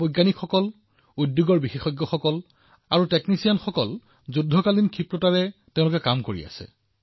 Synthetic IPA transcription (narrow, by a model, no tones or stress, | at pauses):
bojɡanikxɔkɔl | udjuɡɔɹbixexɔjɡːɔxɔkɔl | aɹuteknisijanxɔkɔl | zudʱːɔkalinkʰipɹɔtaɹɛtẽʊ̃lʊkɛkamkoɹḭa̰sɛ̰